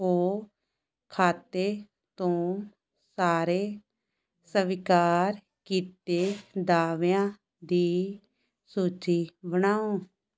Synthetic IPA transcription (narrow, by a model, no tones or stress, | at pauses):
oː | kʰaːt̪eː | t̪õː | saːɾeː | səʋɪkaːɾ | kiːt̪eːd̪aːʋjãː | d̪iː | suːt͡ʃiːbənaːõː